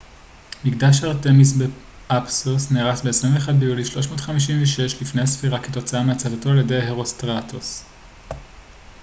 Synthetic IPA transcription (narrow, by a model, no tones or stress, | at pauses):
miɡdaʃ̬aʁt̪emisbe | ʔapsosneːʁasbeesʁiveχad̚bejuliʃlo̞ʃmo̞ːtχamiʃ̬inveʃeʃlifnejhasfiʁaketo̞t͡saameat͡savato̞aljede̞jheʁo̞st̪ʁat̪os